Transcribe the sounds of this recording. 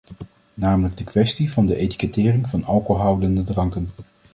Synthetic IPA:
naːmələɡ̚dəkʋɛstivɑndəʔejti̥kətɪːrɪŋvɑnɑlˠkowɦɑwdəndədrɑŋkən

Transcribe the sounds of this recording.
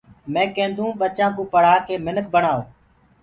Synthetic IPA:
mẽːkẽːnd̪ʱũːɓət͡ʃãːkũːpəɽ̤aːkeːmɪnəkbəɳaːo̰ː

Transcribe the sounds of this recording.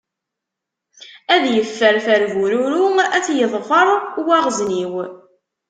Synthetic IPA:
æðjəfːəɾθæɾvuɾuɾuæθjəðˤfəɾˤwæʁzniw

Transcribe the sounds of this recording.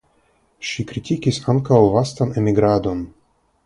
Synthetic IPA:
ʃikɾitʰikisaŋkawvastane̞miɡɾad̪o̞n

